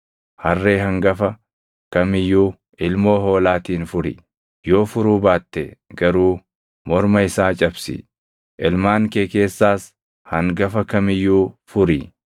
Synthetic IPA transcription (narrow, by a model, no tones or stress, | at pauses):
hɐrːe̞ːɦɐŋɡɐfɐ | kɐmɪjːuː | ɪlmo̞ːɦo̞ːlaːt̪iːnfʊɾɪ̰ | jo̞ːfʊɾuːbaːt̪ːɛɡɐɾuː | mɔɾmɐɪsaːt͡ʃʼɐbsɪ̰ | ʔɪlmaːŋkeːke̞ːsːaːs | hɐŋɡɐfɐkɐmɪjːuːfʊɾɪ